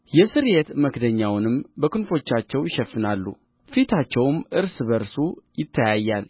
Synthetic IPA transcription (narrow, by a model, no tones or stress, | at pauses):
jɛsɨɾjet̪məkd̪əɲːawnɨmbəkʰɨnfo̞t͡ʃːat͡ʃːɛwjɪʃɛfːɨnalːṵ | fit̪ʰat͡ʃːɛwmʔɨɾsɨβəɾsujɪt̪ʰːəjajːal